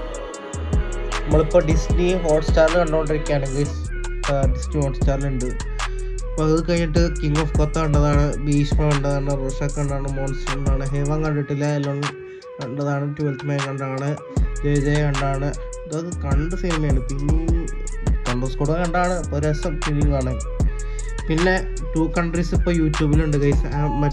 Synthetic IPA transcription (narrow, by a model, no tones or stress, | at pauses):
nɐmːɐɭipːo̞ːɖisniɦo̞ːʈstaːɾnɨkɐɳɖuoɳɖiɾikʲːaːɳeŋɡis | ɖisnihoːʈsʈaːɾluɳɖɨ | poːɐðɨkɐjiʈːɨkiŋɡofkot̪ːauɳɖɐðaːɳɨbiːɕmɐɐɳɖɐðaːɳɨroːʂaːkːɐɳɖaːɳɨmoːnsɐɳɖaːɳɨɦeːʋaːŋkɐɳɖiʈːilːɐelːonː | ɳɖɐðaːɳɨʈuʋɐltmɐjŋɡɐɳɖaːɳɨ | d͡ʑejðejuɳɖaːɳɨ | d̪ɐɐðɨkɐɳɖɨsinimɐjɳɖɨpi | kɐɳɖɐskuɽɐɐɳɖaːɳɨpːoːɾesɐmtiliŋaːɳe | pinːe̞ | ʈuːkɐɳɖrisipːoːjuːtjuːbiluɳɖɨkɐjsmɐ